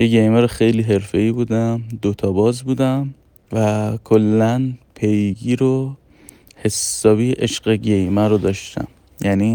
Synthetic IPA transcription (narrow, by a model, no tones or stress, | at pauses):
jeɟejmæɾoxejliːɦe̞ɾfe̞iːbuːd̪æmd̪ot̪ʰɒːbɒːzbuːd̪æm | vækʰolːænpʰejɡiːɾo | he̞sːɒːbiːʔeʃɢeɟejmæɾod̪ɒːʃt̪æ̰m | jæni